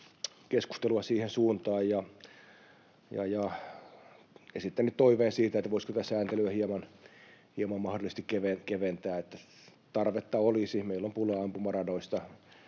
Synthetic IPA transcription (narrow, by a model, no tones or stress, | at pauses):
kesku̥st̪eluɑsiːhensuːnt̪ɑːjjɑ | jɑ̰jɑ | esit̪ːænːˑytt̪oiʋeːnsiːt̪æet̪ːæʋoisko̥t̪æsæːnt̪elyæhiemɑnhiemɑmmɑhdolːˑist̪ikkeʋenkeʋent̪æːet̪ːæ | t̪ɑrʋet̪ːɑolisimeilːompuleɑmpumɑrɑnoist̪ɑ